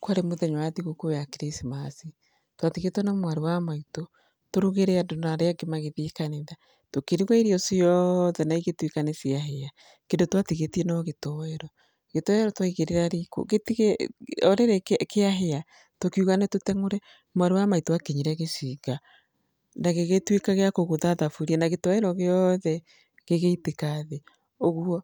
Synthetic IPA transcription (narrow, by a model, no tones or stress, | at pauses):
kwaɾemoðɛɲowaðiɣokoejakeɾesimasi | twatiɣetwɔnamwaɾewamaito | toɾuɣeɾeadonaɾeaɡemaɣeðikaneða | tokeɾiɣwaiɾiɔsiɔðɛnaiɣetwikanesiaɦea | kendotwatiɣetiɛnɔɣetɔwɛɾɔ | ɣetɔwɛɾɔtwaiɣeɾeɾaɾiko̰ɣetiɣeɔɾeɾɛkeaɦea | tokiuɣanetotɛŋoɾɛ | mwaɾewamaitowakeɲiɾeɣesiɣa | naɣeɣetwekaɣeakoɣoðaðafuɾiɛnaɣetɔwɛɾɔɣeɔðɛ | ɣeɣeitekaðe | oɣuɔ